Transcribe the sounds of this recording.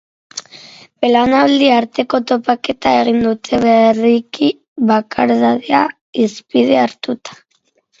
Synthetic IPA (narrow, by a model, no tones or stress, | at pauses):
belanald̪iaɾt̪e̞ko̞t̪o̞pake̞t̪ae̞ɣ̞ind̪ut̪ʰe̞βeriki | βakʰaɾðaðea | ispið̞e̞aɾt̪ut̪ḁ